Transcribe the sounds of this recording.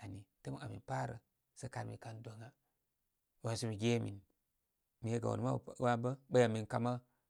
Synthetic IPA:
a˨ni˨te˦mi˦ŋa̰˨mḭ˨pa˦ɾə̰˨ | sə˦ka˨ɾmḭ˨ka˦ndo˨ŋa˦ | wa˨nsi˦mi˨ɡʲe˦mḭ˨n | mi˨je˦ɡa̰˨wo̰˨n˦ma̰˦˨wa˦bə˦bə˦ja˨mi˨nka˨ma˦

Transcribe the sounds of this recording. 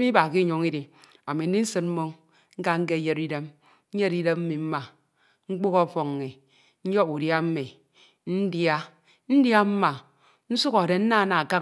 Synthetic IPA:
mi˦ba˨ki˦ɲo˨ŋi˦di˨ | a˨mi˨n̩˦i˦n̩˦sɨ˦nm̩˦mo˦ŋ | ŋ̩˦ka˦ŋ̩˦k̬e˦je˦ɾi˦de˦m˦ | n̩˦je˦ɾi˦de˦mm̩˦mi˨m̩˦ma˨ | ŋ͡m̩˦k͡pu˦kɔ˦˨fɔ˨ŋːi˨ | n̩˦jɔ˦u˨dja˦m̩˦mi˨ | n̩˦dja˦ | n̩˦dja˦m̩˦ma˨ | n̩˦su˦kɔ˨de˨n̩˦na˦˨na˨ka˦

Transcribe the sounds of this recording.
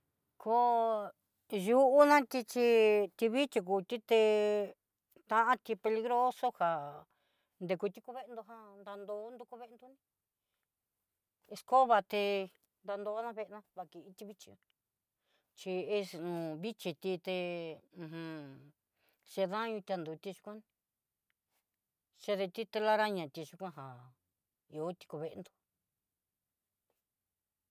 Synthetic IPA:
kʰo˧ | ju˧ʔu˦nã˦t̪i˧t͡ʃi˧t̪i˧βi˦t͡ʃi˧k̬u˨t̪i˦t̪e˧ | t̪ã˧ʔã˦t̪i˧pe˧li˧ɣɾoː˦so˦ha˨ | nd̪e˧ku˧t̪i˦ku˧βe˦˧nd̪o˧ɦã˧nd̪a˧nd̪o˧˦nd̪u˧ku˧βe˦˧nd̪u˧nĩ˦ | e˧sko˦βa˧t̪e˧ | nd̪a˧nd̪o˧˦nã˦˧βe˧ʔnã˧βa˧ki˧˨i˧t̪i˧βi˦t͡ʃi˧ã˧ | t͡ʃi˧e˦snũ˨˧˨βi˦t͡ʃi˧t̪i˧t̪ẽ˧hũ˧ | ʃe˧ðã˦ɲũ˧t̪ʲa˧nd̪u˨t̪i˧ʃu̥˧kʷã˦nĩ˧ | ʃe˧ðe˧t̪i˦t̪e˧la˦ɾa˦ɲã˨t̪i˧ʃu˧kʷã˦ɦã˨ | i˧o˧˦t̪i̥˧ku˧βe˧ʔnd̪o̥˧

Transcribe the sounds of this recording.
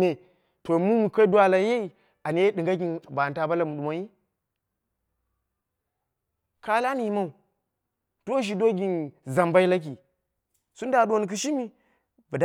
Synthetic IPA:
e˨ | to˨mu˦mu˨ka˦dwa˦la˨je˦i˨ | a˨n˨˦e˦ɗɨ˨ŋɡa˦ɡʲi˨nba˨nta˦ba˦la˨mu˨ɗu˨ma˨˦ji˦ | ka˦la˦ni˨i˦ma˦u˨ | to˦ʃ̬i˨do˦ɡʲi˨nza˨mba˦i˦la˦k̬i˨ | su˦n˦da˨ɗo˨n˨k̬ɨ˨ʃi˦mi˦ | bə˨d

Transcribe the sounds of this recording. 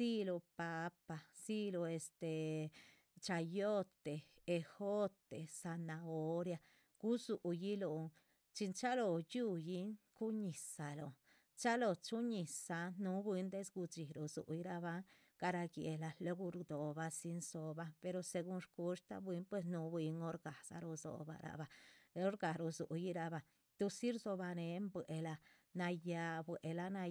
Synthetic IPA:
si˦lo˧pa˧˦pa˨si˦lo˧e˧st̪e˨ | t͡ʃa˧jo˦t̪eː˨˧ | xo˦t̪e˨sa˧na˧o˦ɾja˧ | ɡ̥u˦su˨ʔji˦lo˧ | t͡ʃi˧nt͡ʃa˦lo˧ju˦ji˦ŋku˦ɲi˨sa˨lo˨ | t͡ʃa˦lo˧t͡ʃu˦ɲi˨sa˨nu˧˦bi˧˦nd̪e˦sɡu˧d͡ʒi˨ɾo˨zṵ˨ʔi˧ɾa˧βa˦ŋ | ka˧ɾa˧ɡje˧la˧lo˦ɡu˧ɾd̪o˨ba˧si˧nso˧ba˧pe˧ɾo˧se˧ɡu˧nʂku˧ʂt̪a̰˦bwi˧˦npwe˧snu˨˦bi˧ŋo˦ɾɡa˨sa̰˧ɾo˧zo̰˨ba̰˧ɾʔa̰˧ba˧o˦ɾɡa˨ɾo˧zṵ˨ʔji˦ɾa˧ba˨ | t̪u˧si˦ɾzo˧ba˧ne˨˧˦mbwʷʔe˧la˧ | na˧ja˧bwe˨ʔe˧la˧na˧

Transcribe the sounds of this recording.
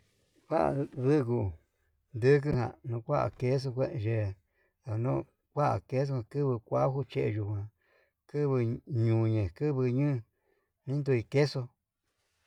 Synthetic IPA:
wa˦ʔa̰˨ðɨ˦˧k̬u˧ | nd̪ɨ˦k̬ɨ˦hã̰˧nũ˧kʷa˦a̰˨ke˦s̬o˧kʷe˦ʔʒe˧ | ða˨˧nõ˦˧ | kʷa˦ʔa̰˨ke˦s̬o˦˧hã˧˨kɨ˦βɨ˧kʷa˦hu˦t͡ʃe˦ʔe˧ʒu˧˨hã˨ | kɨ˦βɨ˧ɲũ˨ɲẽ˨kɨ˦βɨ˧ɲɨ̃˦˧ | nĩ˦nd̪u˧i˧ke˦so˧

